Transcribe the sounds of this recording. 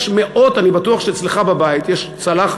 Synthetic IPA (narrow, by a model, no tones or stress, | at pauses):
ʃmeʔo̞tanibatuaχʃeːt͡sleχababajit̪jeʃt͡salaχ